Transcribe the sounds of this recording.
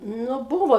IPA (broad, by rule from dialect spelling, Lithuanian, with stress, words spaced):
ˈnʊ ˈbuːʋoː